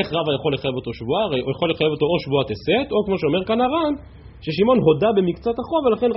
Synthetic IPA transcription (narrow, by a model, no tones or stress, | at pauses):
eχʁavajaχo̞lːe̞χajevo̞t̪o̞ʃvuaʁeojaχo̞lːeχajevot̪o̞oʃvuat̪ese̞t̪o̞kmoʃeo̞me̞ʁkanaʁan | ʃe̞ʃimo̞nɦo̞dabe̞mikt͡sat̪aχo̞velaχe̞n